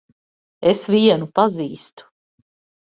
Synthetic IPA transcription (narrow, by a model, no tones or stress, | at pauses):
esviɛnupaziːst̪u̥